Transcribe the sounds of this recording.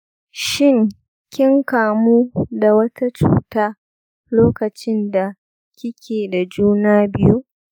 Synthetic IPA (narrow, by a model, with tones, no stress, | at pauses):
ʃɪ˦˨ŋ | kʲɪ˦ŋkaː˨muː˦da˨wɐ˦ta˦t͡ʃṵː˨taː˦ | loː˦kɐ˨t͡ʃɪ˦nda˨ | kʲɪ˦kʲʰeː˨da˨d͡ʒuː˦naː˦bɪ˦ju˦ʔ